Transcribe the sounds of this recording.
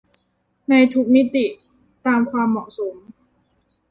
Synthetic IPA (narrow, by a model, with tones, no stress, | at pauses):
na˧jt̪ʰu˦˥k̚mi˦˥t̪i˨˩ | t̪aː˧mkʰwaː˧mːɔ˨˩so˩˦m